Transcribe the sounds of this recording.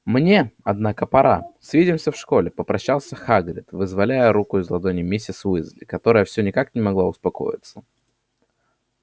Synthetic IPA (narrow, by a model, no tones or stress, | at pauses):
mnʲe̞ɐd̪nakəpɐɾa̰sʲvʲidʲɪmsʲəfʂko̞lʲɪpəpɾɐɕːalˠsʲəxaɡɾʲɪt̪vɨzvɐlʲæjəɾukʊɪzlˠɐd̪onʲɪmʲɪsʲɪsvɨzlʲɪkɐt̪o̞ɾəjəfsʲonʲɪkaknʲɪmɐɡlˠaʊspɐko̞̰jɪ̰t̪sə